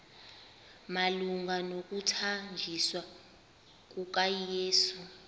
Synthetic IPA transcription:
maluŋɡʱanok̬ʼutʰand͡ʒʱiswa | k̬ʼuk̬ʼajjeːsu

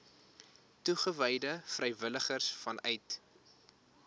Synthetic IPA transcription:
tuχəvəjdəfrəjvələχərsfɐnœjt

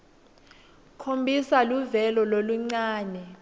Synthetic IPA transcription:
kʰombʱisaluvɛlɔloluŋ͡ǀaːnɛ

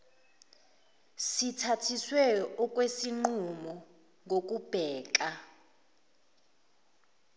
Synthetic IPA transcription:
sitʰatʰiswɛjɔɔk̬ʼwesiŋ͡ǃumɔ | ŋʱok̬ʼub̥ʱɛːǃ̬ʼa

